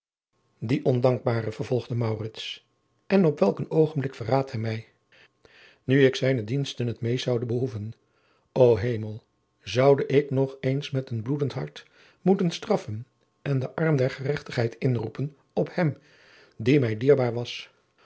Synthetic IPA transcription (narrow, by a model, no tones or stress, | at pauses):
diʔɔndɑŋɡ̚baːrəvəɹv̥ɔlˠʁdəmɑwrɪts | ʔɛnɔpʋɛlˠkənowχənblɪkfəɹraːthɛjmɛj | nyɪksɛjnədinstənətmejzʌwdəbəɦuvən | owɦejməlˠ | zʌwdəʔɪknɔχejnsmɛtənbludəntɦɑ̰ɹt | mutənstrɑfən | ʔɛndəʔɑɹmdɛɹχərɛχtəχɦɛjtɪnrupən | ɔphɛm | dimɛjdiːɹbaːɹʋɑs